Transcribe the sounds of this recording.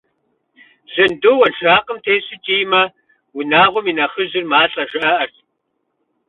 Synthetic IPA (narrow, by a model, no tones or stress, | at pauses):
zɐndowɐnʃaːqʼəmtʰeːɕɨt͡ʃʼiːjmɐ | wʊnaːʁʷɔminɐχəʑɪrmaːɬʼɐʒɐʔɐʔɐr